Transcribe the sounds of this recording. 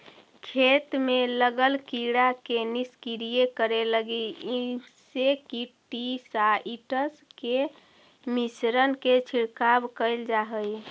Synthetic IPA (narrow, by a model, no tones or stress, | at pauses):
kʰet̪meləɡəlkiɽakeniskiɾijekəɾeləɡii | sekiʈisaiʈəske | misɾənket͡ʃʰiɽkabkəɪld͡ʒaɦəj